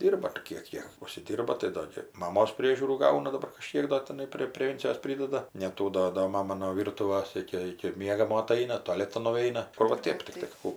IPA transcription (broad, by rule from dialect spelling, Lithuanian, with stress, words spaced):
ˈdʲiːrbɐ ɐr ˈkʲiɛk jɪ ʊʃʲsʲɪˈdʲiːrbɐ tɐɪ ˈdoː ɡʲɪ mɐˈmoːs ˈpʲrʲiɛʒʲuːruː ˈɡɐʊnɐ dɐˈbɐr kɐˈʃʲkʲiɛk doː tʲɪˈnɐɪ pʲrʲeː pʲrʲɛˈʋʲɛnʲt͡sʲɪjoːs ˈpʲrʲɪdɐdɐ nʲɛˈtuː doː doː ˈmɑːmɐ noː ˈʋʲiːrtʊʋɐs ˈɪkʲɪ ˈɪkʲɪ ˈmʲiɛɡɐmoː ɐˈtɐɪnɐ toːˈlʲæːtɐn nʊˈɛɪnɐ ˈkʊr ʋɐ ˈtʲeːp tʲɪkˈtɐɪ ˈkuː